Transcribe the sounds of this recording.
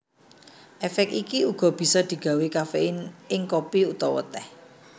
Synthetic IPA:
ʔɛfɛk̚ikiuɡ̥ɔ̤b̥i̤sɔd̪̥i̤ɡ̥a̤wekafeʔɪnɪŋkopiut̪ɔwə̰t̪ɛh

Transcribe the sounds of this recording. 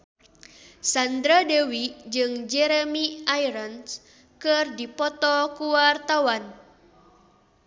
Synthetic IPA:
sand̪ɾadɛwid͡ʒɨŋd͡ʒɛɾɛmiajɾəns | kɨrdipɔt̪ɔkuwart̪awan

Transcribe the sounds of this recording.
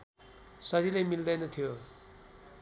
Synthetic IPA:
sʌzilajmild̪ajnʌt̪ʰijo

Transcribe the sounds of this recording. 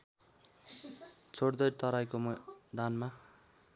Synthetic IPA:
t͡sʰoɽd̪ʌɾt̪ʌɾajkomd̪anma

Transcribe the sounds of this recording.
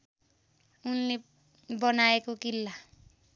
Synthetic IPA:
unle | bʌnaekokilːa

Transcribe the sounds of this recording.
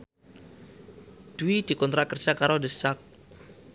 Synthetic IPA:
d̪̥uwid̪̥i̤kɔnt̪ɾakərd̥ʒ̥akaɾodəsak̚

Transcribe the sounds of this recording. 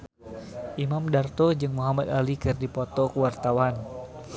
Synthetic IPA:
ʔimamdart̪ɔd͡ʒɨŋmuɦamad̪alikɨrdipɔt̪ɔkəwart̪awan

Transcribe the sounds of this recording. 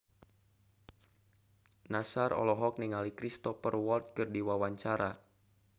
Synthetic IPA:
nasaɾɔ̰lɔɦɔk̚niŋalikɾist̪ɔfərwɔlt̪̚kɨrdiwawaɲt͡ʃaɾa

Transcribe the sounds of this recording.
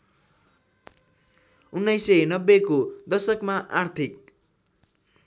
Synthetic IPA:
unːʌjsʌjnʌbːekod̪ʌsʌkmaʔart̪ʰik

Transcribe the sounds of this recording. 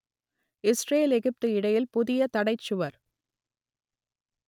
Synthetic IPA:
ɪsreːlɛɣɪp̚t̪ɯɪɽɐjɪlpʊðɪjɐt̪ɐɽɐɪt͡ʃːɯʋɐɾ

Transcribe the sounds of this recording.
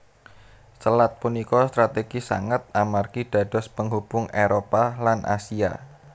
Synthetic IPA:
səlat̪̚punikɔst̪ɾat̪eɡ̥isa̰ŋət̪̚amarkiɖ̥a̤d̥ɔ̤spəŋɦub̥ʊŋeɾopalanʔa̰sia̰

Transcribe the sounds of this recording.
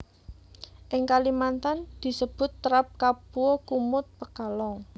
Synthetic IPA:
ʔɪŋkalimant̪and̪̥i̤səb̥ʊ̤t̪ːəɾap̚kapuɔkumʊt̪̚pəkalɔŋ

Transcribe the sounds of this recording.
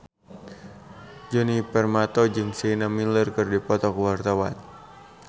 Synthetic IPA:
d͡ʒɔnipɛrmat̪ɔd͡ʒɨŋsinamilərkɨrdipɔt̪ɔkəwart̪awa̰n

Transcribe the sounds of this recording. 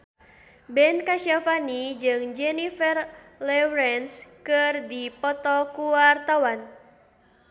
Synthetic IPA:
bɛnkaʃafanid͡ʒɨŋd͡ʒɛnifɛrlɛwɾɛnskɨrdipɔt̪ɔkuwart̪awan

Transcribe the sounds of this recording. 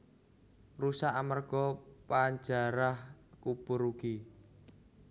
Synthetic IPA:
rusaamarɡ̥ɔpaɲd͡ʒa̤ɾahkupuɾuɡ̥i

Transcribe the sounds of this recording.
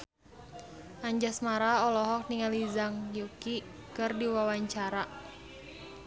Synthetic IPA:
ʔaɲd͡ʒasmaɾaɔlɔɦɔk̚niŋalizaŋjukikɨrdiwawaɲt͡ʃaɾa

